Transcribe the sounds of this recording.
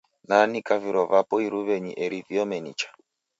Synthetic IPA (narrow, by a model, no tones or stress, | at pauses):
nanikaviɾɔvapɔiɾuβɛɲiʔɛɾiviɔmɛnḭt͡ʃḁ